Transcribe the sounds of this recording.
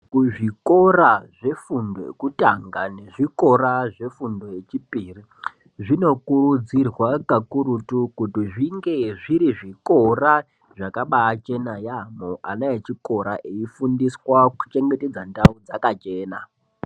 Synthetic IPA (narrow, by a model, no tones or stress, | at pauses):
kuʐiko̞raʐe̞fundo̰ḛkutaŋɡane̞ʐiko̞ɾaʐe̞fundo̞je̞t͡ʃipiri | ʐino̞kurud͡zirwakakuɾutukutiʐiŋɡe̞ʐiɾiʐiko̞ra | ʐakaɓaːt͡ʃe̞najamoʔa̰najet͡ʃiko̞ɾaʔeifundiswaku̥t͡ʃe̞ŋɡe̞te̞d͡zandaud͡zakat͡ʃe̞ːna